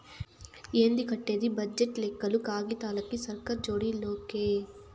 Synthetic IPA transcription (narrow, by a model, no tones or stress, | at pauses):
eːnd̪ikɐʈːeːd̪ibɐd͡ʒeʈlekːɐlukaːɡit̪aːlɐkːisɐɾkɐɾd͡ʒoːɽiloːke